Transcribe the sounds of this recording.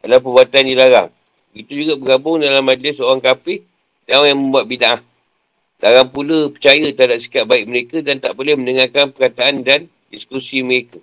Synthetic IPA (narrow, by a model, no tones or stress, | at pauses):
dalapəbuat̪andilaɾa̰ŋ | bəɡit̪ud͡ʒuɡabəɡabʊŋdalamːad͡ʒlɪsoɾaŋkapɪh | daaŋjaŋmə̃mbuat̪̚binaʔah | laɾaŋpuləpət͡ʃajət̪adap̚si̥kat̪̚baɪk̚məɾekədant̪a̰ʔbolɛhməndəŋakanpərkat̪aːndan | diskusiməɾekə